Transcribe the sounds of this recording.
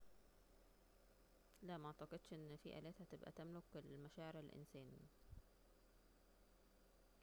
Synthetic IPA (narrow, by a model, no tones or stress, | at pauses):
læmɑʕt̪ɑqed̪ʃʔenːfḭːʔæ̰ːlæːt̪hæt̪ebʔæ̰t̪æmlokelmæʃæːʕeɾælʔɪ̰nsæːni